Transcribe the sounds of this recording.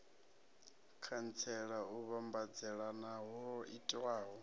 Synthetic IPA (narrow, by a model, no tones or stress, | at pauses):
kʰant͡sʰɛɺauβambad͡zɛɺanaɦɔitʼwaːɦɔ